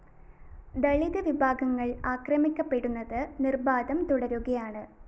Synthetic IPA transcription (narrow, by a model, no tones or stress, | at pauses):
d̪ɐɭiðɨʋibʱaːɡɐŋːɐɭaːkrɐmikʲːɐpːe̞ɽunːɐðɨnirbaːd̪ɐmt̪uɽɐɾuɣɐjaːɳɨ